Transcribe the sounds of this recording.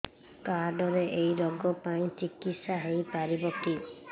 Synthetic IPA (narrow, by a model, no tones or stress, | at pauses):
kaɾɖɔɾeʔejɾɔɡɔpaĩt͡ʃikit̪saɦejpaɾibɔki